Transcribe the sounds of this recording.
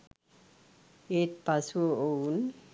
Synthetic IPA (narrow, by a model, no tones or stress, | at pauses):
et̪̚pasuooun